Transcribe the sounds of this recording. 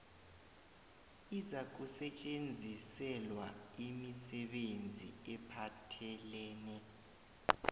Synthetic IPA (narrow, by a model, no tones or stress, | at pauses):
izak̬usɛt͡ʃʼend͡zʱisɛlwa̰imisɛɓend͡zʱḭɛpʰatʰɛlɛːnɛ